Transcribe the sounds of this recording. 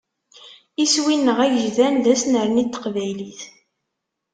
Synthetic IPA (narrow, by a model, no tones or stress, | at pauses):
iswinːəʁæʝəʒðænðæsnəɾnit̪ːə̥qvæjliθ